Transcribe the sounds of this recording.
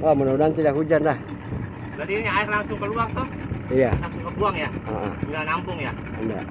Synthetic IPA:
ɔmunudant̪idaʔkud͡ʒanlah | badiɲaaɪrlaŋsʊŋkəluaŋt̪ʊhialaŋsʊŋkəbuaŋjaə̰ʔə̰unanampʊŋja | ənda̰

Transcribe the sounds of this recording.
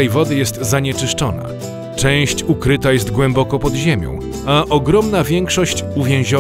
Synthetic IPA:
ɛjvɔd̪ɘjɛst̪zaɲɛt͡ʂɘʂt͡ʂɔna̰ | t͡ʂɛ̃w̃ɕt͡ɕukɾɘt̪ajɛs̬t̪ɡwɛmbɔkɔpɔd̪ʑemʲjɔ̰̃w̃ | aʔɔɡɾɔmnavʲjɛŋkʂɔɕt͡ɕuvʲjɛ̃w̃ʑɔ

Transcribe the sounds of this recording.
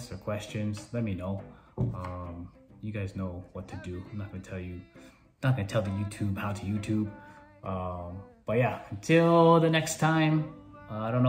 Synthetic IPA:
sə˞kʰw̥ɛst͡ʃɨ̃nz̥lɛt̚minoʊʌ̃m | jɨɡaɪznoʊwʌtʰɨdɨaɪ̃mnət̚ɡ̥ʌnətʰɛlˠjɨ | nət̚ɡ̥ʌnɨtʰɛlˠðɨjʉtʰʉb̥haʊɾɨjʉtʰʉb̚ | ʔʌ̃mb̥ʌt̚jæɨ̃n̩tʰɪlˠðɨnɛkstʰãɪ̃maɪɾõnː

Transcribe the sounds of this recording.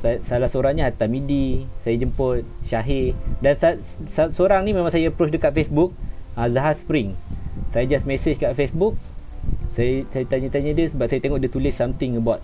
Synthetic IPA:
sasalahsoɾaŋɲaɦat̪amidisajad͡ʒəmpʊt̪̚ʃaɦɪdansa | sasoɾaŋnimẽmaŋsajaəpɾɔt͡ʃdəkat̪̚fesbuk̚azaɦaspɾɪŋsajad͡ʒasmesəd͡ʒkaʔfesbuk̚ | sajasajat̪aɲãt̪aɲadiəsəbap̚sajat̪eŋɔʔdit̪ulɪsːamt̪ɪŋəbat̪̚

